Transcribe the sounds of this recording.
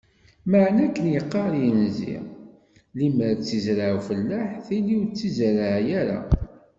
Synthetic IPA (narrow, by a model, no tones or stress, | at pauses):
məʕnækːənjəqːɑɾˤjənzḭʁ | liməɾt͡sːizɾaʕfəlːaħθiliwt͡sːizɾaʕjæɾa̰